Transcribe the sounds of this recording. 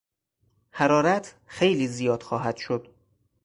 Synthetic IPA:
hæɾɒːɾæt̪ʰ | xejliːzijɒːd̪̥xɒːɦæd̪̥ʃod̪̥

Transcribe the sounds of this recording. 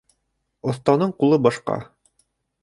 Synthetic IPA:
ŏθt̪ɑnɤɴqulˠɤbɑʃqɑ̰

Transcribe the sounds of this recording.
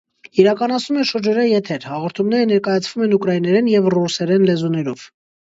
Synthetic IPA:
iɾɑkɑnɑt͡sʰnumɛʃəɾd͡ʒɔɾɑjɛt̪ʰɛɾhɑʁɔɾt̪ʰumnɛɾənɛɾkɑjɑt͡sʰvumɛnukɾɑjinɛɾɛnjɛvrusɛɾɛnlɛzunɛɾɔv̥

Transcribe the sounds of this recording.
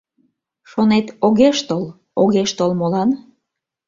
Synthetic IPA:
ʃonet̪oɣeʃt̪ol | oɣeʃt̪olmolɑn

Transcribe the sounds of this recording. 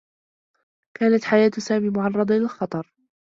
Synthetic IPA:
kaːnat̪ħajaːt̪saːmiːmʊʕɑrˤːɑd̪ˤlɪlxɑt̪ˤɑɾˤ

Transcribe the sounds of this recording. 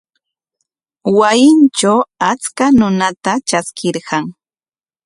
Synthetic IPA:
wajɪnt͡ʃawat͡skanʊnat̪at͡ʃaskɪɾɢɑŋ

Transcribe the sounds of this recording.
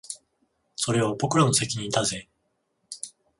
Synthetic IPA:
so̞ɾe̞opo̞kɯ̟ɾonose̞kʲiɲ̟ĩt̪aze̞

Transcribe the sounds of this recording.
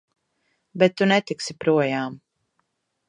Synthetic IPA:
bɛt̪ːunɛt̪iksipɾuɔjaːm

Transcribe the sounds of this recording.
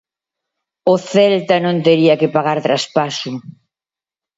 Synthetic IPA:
oθɛlt̪ɐnõnt̪eɾiɐkɪpaɣaɾt̪ɾaspasʊ

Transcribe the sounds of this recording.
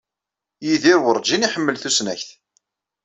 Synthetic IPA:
jiðiɾwəɾˤd͡ʒiniħəmːəlθusnæçθ

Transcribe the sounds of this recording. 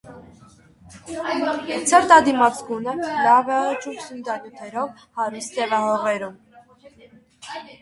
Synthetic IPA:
t͡sʰəɾt̪ɑd̪imɑt͡sɡunəlɑvɛʁət͡ʃʰusund̪ɑnjut̪ʰɛɾɔv | hɑɾust̪ɛvɑhɔʁɛɾum

